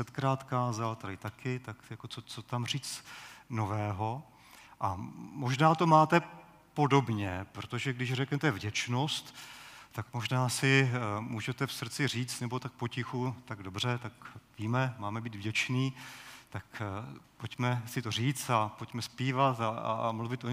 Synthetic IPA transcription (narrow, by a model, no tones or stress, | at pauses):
sɛt̪kɾaːt̪kaːzalt̪adɪt̪akɪt̪akjakot͡sot͡so̞t̪amr̝iːt͡sno̞vɛːɦo̞ | ʔamo̞ʒnaːt̪o̞maːt̪ɛ | po̞do̞bɲɛpɾot̪o̞ʒɛɡdɪʃrɛknɛt̪ɛvɟɛt͡ʃno̞st̪ːakmo̞ʒnaːsɪmuːʒɛt̪ɛfsr̩t͡sɪr̝iːt͡st̪nɛbo̞t̪ak̚po̞cɪxut̪aɡdo̞br̝ɛt̪akviːmɛmaːmɛbiːd̪vɟɛt͡ʃniːt̪akpocmɛsɪt̪o̞r̝iːt͡st̪apocmɛspiːvat̪aa̰mluvɪt̪o